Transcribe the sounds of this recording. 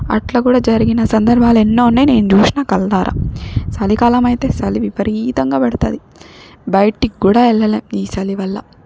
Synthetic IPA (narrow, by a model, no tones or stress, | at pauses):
ɐ̰ʈlɐkuːɽaːd͡ʒɐɾiɡinɐsɐnd̪ɐɾbʱaːlɛnːoːunːaːjine̞ːnut͡ʃuːsinaːkɐld̪aːɾʔa̰sɐlikaːlɐmɐjt̪e̞ːsɐliʋipɐɾiːt̪ɐŋɡaːpɛɽɐt̪ɐːd̪i | bɐjʈikːuːɽaːɛɭːɐleːmiːsɐliʋɐlːɐ̰